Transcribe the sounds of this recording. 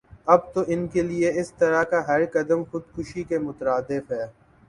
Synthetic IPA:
ɐb̚t̪oʔɪnkelieɪst̪ɐɾakaɦɐɾkɐd̪əmxʊd̪xʊʃikemʊt̪ɾaːd̪ɪfɦɛː

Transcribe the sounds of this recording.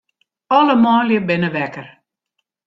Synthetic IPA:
ɔləmɔːljəbɪnəʋɛkər

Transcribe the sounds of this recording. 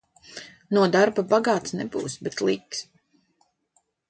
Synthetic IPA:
nuɔd̪aɾbabaɡaːt̪snɛbṵːsbɛt̪lˠiːks

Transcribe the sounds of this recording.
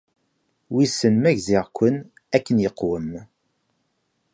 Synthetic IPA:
wisənmæʝziʁkʷːən | ækːənjəqːwəm

